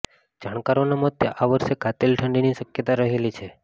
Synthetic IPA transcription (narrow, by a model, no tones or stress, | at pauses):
d͡ʒaɳ̃kaɾonamət̪jəʔaʋəɾʃekat̪elʈʰəɳɖiniʃəkjət̪aɾəɦelit͡ʃʰe